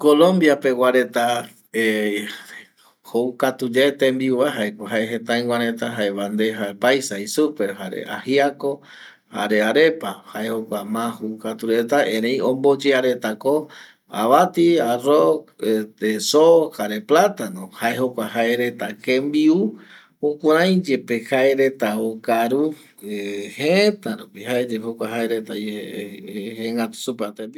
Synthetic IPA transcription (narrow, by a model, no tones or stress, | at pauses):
kolõmbjape̞waɾe̞t̪a | e | howkat̪ud͡ʒet̪embiuaɦaekʷaɦaeɦẽt̪aj̃wãɾet̪aɦaeβand̪e̞ɦaepajsaisupe̞ɾɦaɾḛa̰hiako | ha̰ɾe̞aɾe̞pahaehokʷamãhoukat̪uɾe̞t̪aẽɾẽjõmbod͡ʒeaɾe̞t̪ako | a̰βat̪iaroket̪esohaɾe̞plat̪anõhaeɦokʷahaeɾe̞t̪akẽmbiu | okʷaɾãj̃d͡ʒe̞pehaeɾe̞t̪aokaɾu | heẽt̪aɾupihaed͡ʒehokʷaɦaeɾet̪ae | heŋɡat̪u̥supeat̪ei